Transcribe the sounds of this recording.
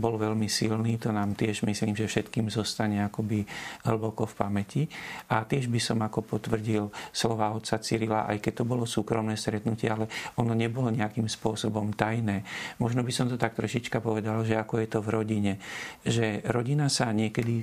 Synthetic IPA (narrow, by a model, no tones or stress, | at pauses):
bɔlʋɛlmisilniːt̪ɔnaːmt̪ɪɛʒmisliːmʒɛfʃɛt̪kiːmzɔst̪aɲɛakɔbiɦl̩bɔkɔfpamɛciʔat̪ɪɛʒbisɔmakɔpɔt̪ʋr̩ɟilslɔʋaɔt̪t͡satt͡siɾilaʔa̰jkɛc̚t̪ɔbɔlɔsuːkɾɔmnɛːst̪ɾɛt̪nucɪɛalɛɔnɔɲɛbɔlɔɲɛakiːmspʊɔsɔbɔmt̪ajnɛːmɔʒnɔbisɔmt̪ɔt̪ak̚t̪ɾɔʃit͡ʃkapɔʋɛd̪alʒɛakɔjɛt̪ɔvɾɔɟiɲɛʒɛɾɔɟinasaɲɪɛkɛd̪i